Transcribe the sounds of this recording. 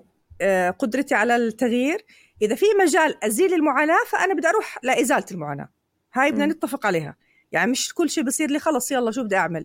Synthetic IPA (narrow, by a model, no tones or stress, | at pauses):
qʊd̪ɾɑt̪iʕalat̪ːaɣjiːɾ | ʔɪðafimad͡ʒaːlʔaziːlɪlmʊʕaːnaːfaʔanabɪd̪aʔɑɾuːħlaʔɪzaːlt̪ɪlmʊʕa̰ːna̰ː | haːjɪbnanɪt̪ːafɪqʕaleːha̰ | ja̰ʕnimɪʃkʊlːʃeːbɨsˤiːɾliːxɑlɑsˤjɑlːɑːʃuːbɪd̪aʔaʕmal